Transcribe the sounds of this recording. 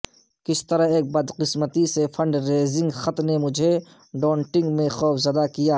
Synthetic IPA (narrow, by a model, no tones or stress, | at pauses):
kɪst̪ɐɾaɦeːk̚bɐd̪qɪsmət̪isefʰɐ̃ɳɖɾeːzɪ̃ŋɡxɐt̪nemʊd͡ʒʱe | ɖɔ̃ːɳʈɪ̃ŋɡmẽxɔːfʰzɐd̪akijaː